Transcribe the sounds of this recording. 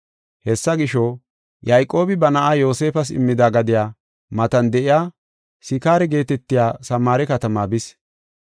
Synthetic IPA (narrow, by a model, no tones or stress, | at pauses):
hɛsːɐɡɪʃo | jɐjkʼːo̞ːbɪbɐnɐʔaːjo̞ːse̞ːfɐs̬ɪ̰mːɪd̪aːɡɐd̪ɪjaː | mɐt̪ɐnd̪ɛʔɪjaː | sɪkaːɾɛɡe̞ːt̪ɛt̪ːɪjaːsɐmːaːɾɛkɐt̪ɐmaːbɪs